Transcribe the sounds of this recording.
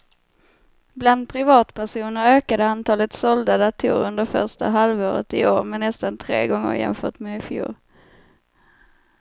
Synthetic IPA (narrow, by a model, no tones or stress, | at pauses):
bland̪̚pʰɾɪvɑːt̪pʰæʂuːnəɾøːkad̪əant̪ʰɑːlət̪sɔld̪ad̪at̪ʰṵːɾɵnd̪əɾfœ̰ʂʈa̰ɦalvoːɾə̰t̪ɪoːɾmɛnːɛst̪ant̪ʰɾḛːɡɔŋːə̰ɾjɛ̰nfœ̰ːʈmɛɪfjṵːɾ